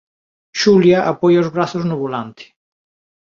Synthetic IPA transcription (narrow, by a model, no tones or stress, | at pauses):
ʃuljaʔapojaozβɾaθʊznoβolant̪ʰɪ̥